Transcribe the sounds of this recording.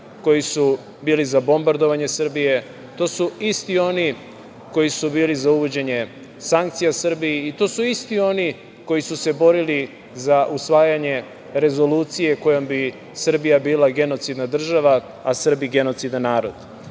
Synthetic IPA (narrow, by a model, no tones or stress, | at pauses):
ko̞jisu | biːlizabo̞mbaɾd̪o̞ʋaɲe̞sr̩bije̞ | t̪o̞ːsuist̪io̞ni | ko̞jisubiːlizauʋo̞d͡ʑe̞ɲe̞ | saŋk̚t̪sijasr̩biiːt̪o̞ːsuist̪io̞ni | ko̞jisuse̞bo̞ɾili | zaʔusʋaːjaɲe̞ | ɾe̞zo̞luːt̪sije̞ko̞jombi | sr̩bijabiːlˠaɡe̞no̞t̪sid̪nad̪r̩ʒaʋa | asr̩biɡe̞no̞t̪sid̪annːaːɾo̞d̪̥